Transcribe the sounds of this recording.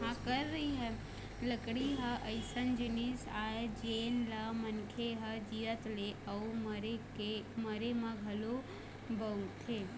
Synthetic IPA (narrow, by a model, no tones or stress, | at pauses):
ɦãkəɾːəɦiɦɛ | ləkɽiɦəʔəɪsənd͡ʒɪnisaːed͡ʒeːnləmənkʰeɦəd͡ʒiət̪leʔəuməɾekeməɾemãɡʱɐlo | bəut̪eː